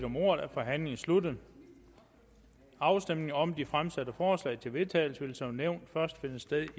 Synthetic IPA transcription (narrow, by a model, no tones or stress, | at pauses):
d̥ɒ̽mo̝ːɐð̩ˠæfɒ̽ɦæn̰le̝ŋn̩slud̥ð̩ˠ | ɑ̈ʊsd̥em̰ne̝ŋɒ̽md̥ifʁamsæd̥əfɒːslɛ̰ɪt͡sʰe̝lʋe̝t͡sʰɛ̰ːl̩səʋe̝lsɒʊneʊ̰nd̥fɶɐsd̥fe̝nəsd̥eðˠi